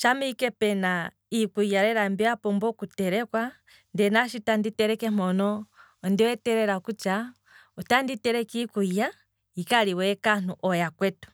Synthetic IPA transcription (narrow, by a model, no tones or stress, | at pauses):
ʃamikɛpɛna | ikujaɾɛɾambiapɔmbɔkutɛɾɛkwa | ndɛnaʃitanditɛɾɛkɛm̥ɔnɔː | ndiwɛtɛɾɛɾakut͡ʃa | utanditɛɾɛkikuja | ikaliwɛkan̥uʔɔjakwɛtu̥